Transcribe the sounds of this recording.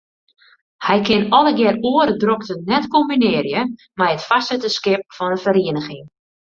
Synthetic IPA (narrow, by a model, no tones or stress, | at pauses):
hɛjkʰɪnɔləɡjɛruəɾədroktənɛtkombinɪːərjə | mɛjətfasətəskɪp̚fɔnəfəɾiənəxɪŋ